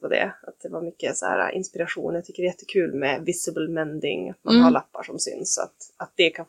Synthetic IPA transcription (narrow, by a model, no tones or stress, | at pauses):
vad̪ɛ̰at̪̚d̪ɛvaɾmʏkːəsɔhæ̰ːɾa̰ʔɪnspɪɾaɧṵːnjat̪ʰʏkːəɾjɛt̪ʰːə̥kʰʉ̟ːlmɛvɪsəbəlmɛnd̪ɪŋat̪manhaɭapːaʂɔmsʏ̰nsa̰t̪at̪̚d̪̥ɛkʰan